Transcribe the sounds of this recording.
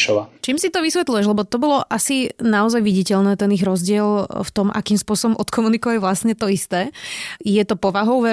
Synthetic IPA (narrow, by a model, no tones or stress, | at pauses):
ʃɔʋaːt͡ʃiːmsit̪ɔʋisʋɛt̪lujɛʒlɛbɔt̪ɔbɔlɔʔasinaɔzajʋiɟicɛʎnɛːt̪ɛniɣɾɔzɟɪɛlft̪ɔmʔa̰kiːmspʊɔsɔbɔmʔɔt̪kʰɔmunikɔʋaɟʋlast̪ɲɛt̪ɔist̪ɛːjɛt̪ɔpɔʋaɦɔʊʋɛ